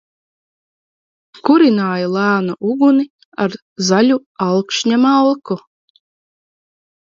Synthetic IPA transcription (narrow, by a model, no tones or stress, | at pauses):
kuɾinaːjalˠæːnaʔuɡuni | aɾ | zalʲualˠkʃɲʲamalˠku